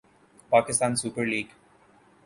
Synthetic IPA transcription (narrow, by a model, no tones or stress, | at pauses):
paːkɪst̪ãːnsuːpəɾliːɡ